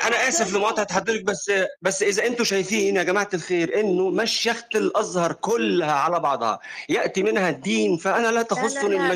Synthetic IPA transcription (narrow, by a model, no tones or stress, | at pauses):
ʔænæʔæːsæflɪmwɑːt̪ˤʕt̪ħad̪ːeɾek̚bæsːbæsːʔezæʔent̪oʃæjfiːnjæɡæmaʕt̪elxeːɾʔenːomæʃjæxt̪elʔɑzˤhɑɾˤkolːhæʕalæbɑʕd̪ˤhɑ̰jæʔt̪imɪnhæd̪ːiːnfæʔænælæt̪æxosˤːonɪlmæ